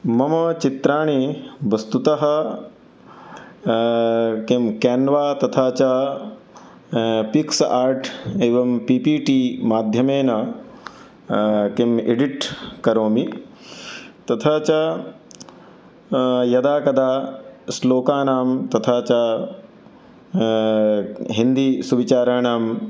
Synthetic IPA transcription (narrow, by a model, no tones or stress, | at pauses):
mɐmɐt͡ʃit̪ɾaːɳiʋɐst̪ut̪ɐɦɐ̆ | kemkɛːnʋaːt̪ɐt̪ʰaːt͡ʃɐ | piksaːɾʈeːʋɐmpiːpiːʈiːmaːd̪ʱjɐmeːnɐ | kemḛɖiʈkɐɾoːmi | t̪ɐt̪ʰaːt͡ʃa | jɐd̪aːkɐd̪aːsloːkaːnaːmt̪ɐt̪ʰaːt͡ʃa | ɦind̪isuʋit͡ʃaːɾaːɳaːm